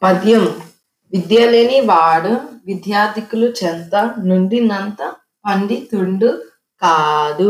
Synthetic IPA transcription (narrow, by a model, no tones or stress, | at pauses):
pɐd̪jɐm | ʋid̪jaleːniʋaːɽuʋid̪jaːɾt̪ikulut͡ʃɛnt̪ɐnuɳɖinɐnt̪ɐ | pɐɳɖit̪uɳɖu | kaːd̪u